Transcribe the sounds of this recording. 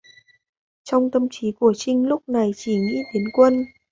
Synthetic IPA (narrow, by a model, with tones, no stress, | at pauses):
t͡ɕɔ˧wŋ͡mt̪ə˧mt͡ɕi˨˦ku˧˩ət͡ɕï˧ŋ̟lʊ˦˥k͡p̚na˨˩jt͡ɕi˧˩ŋḭ˧˥ɗe˨˦nkwə˧n